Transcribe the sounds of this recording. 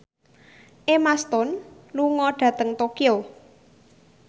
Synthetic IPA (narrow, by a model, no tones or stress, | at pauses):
ʔemast̪ɔnluŋɔɖ̥ä̤t̪əŋt̪okio